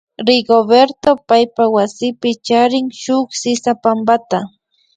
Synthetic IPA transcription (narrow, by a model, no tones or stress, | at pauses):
ɾɪɡobeɾt̪opajpawasɪpɪt͡ʃaɾɪŋʃʊχsɪsapambat̪a